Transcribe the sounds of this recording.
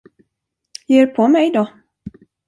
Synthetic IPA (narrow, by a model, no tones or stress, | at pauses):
jeːɾpʰɔmɛjd̪ɔ